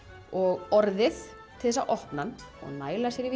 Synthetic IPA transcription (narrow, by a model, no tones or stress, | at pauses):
ɔɣɔɾðɪθ | t̪ʰɪlðɛsːa̰ʔɔhpnanɔ̰ɣmaːjlasjɛɾɪv